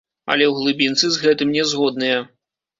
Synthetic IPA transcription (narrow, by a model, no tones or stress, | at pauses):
ɐ̰lʲɛwɣlˠɨbʲint̪sɨzɣɛt̪ɨmnʲɛzɣɔd̪nɨjɐ